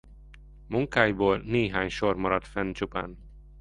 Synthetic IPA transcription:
muŋkaːjboːlneːɦaːɲʃormɒɾɒt̪fɛnt͡ʃupa̰ːn

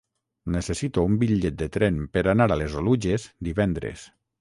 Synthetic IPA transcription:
nesesit̪oumbiʎet̪̚d̪et̪ɾɛmpeɾanaɾalezoluʒezd̪iβɛnd̪ɾḛs

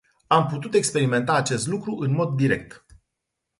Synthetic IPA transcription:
amput̪ut̪e̞kspe̞ɾime̞nt̪aːt͡ʃe̞st̪lukɾuʔɨnmo̞d̪ːiɾe̞k̚t̪

